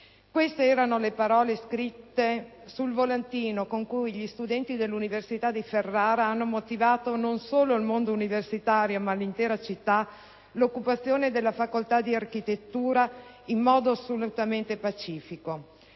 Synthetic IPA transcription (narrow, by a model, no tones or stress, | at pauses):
kwest̪eɛːɾanolepaɾɔːleskɾit̪ːe | sulvolant̪iːnokoŋkujʎist̪ud̪ɛnt̪id̪elːuniversit̪ad̪iferːaːɾaanːomot̪ivaːt̪ononsoːloilmond̪ouniversit̪aːɾjomalːint̪ɛːɾat͡ʃit̪ːa | lokːupat̪sːjoːned̪elːafakolt̪ad̪iarkit̪et̪ːuːɾa | imːɔːd̪oasːolut̪ament̪epat͡ʃiːfiko